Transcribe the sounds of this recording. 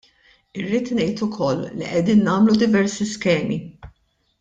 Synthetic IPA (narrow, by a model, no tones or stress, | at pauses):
ɪrːiːt̪nɛjt̪ʊkʰɔlːḭʔɛd̪iːnːɐːmlud̪ɪvɛɾsiskɛːmi